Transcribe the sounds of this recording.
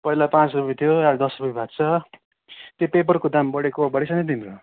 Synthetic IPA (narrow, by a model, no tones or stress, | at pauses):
pʌilapãt͡srupet̪ʰjoaɾd̪ʌsrupebʱat̪̚t͡sʰʌ | t̪jopep̬ʌrkod̪ambʌɽekobʌɽisʰʌned̪inro